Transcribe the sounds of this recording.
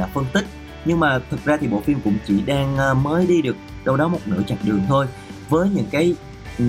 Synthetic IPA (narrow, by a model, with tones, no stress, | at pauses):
a̰ː˨˩fə˧ənt̪ï˦˥k̟̚ | ɲɨ˧ŋmaː˨˩t̪ʰɨ˨˩k̚zaː˧t̪ʰi˨˩ɓo̰˧˨fi˧mkʊ̰˧˥ŋ͡mt͡ɕi˧˩ɗaː˧ŋʔəː˧məː˨˦jɗi˧ɗɨ˨˩ək̚ | ɗə˧wɗɔ˨˦mo˨˩t̚nɨ̰˧˥ət͡ɕa˨˩t̚ɗɨ˨˩əŋt̪ʰo˧j | vəː˨˦jɲɨ̰˧˥ŋkaː˨˦j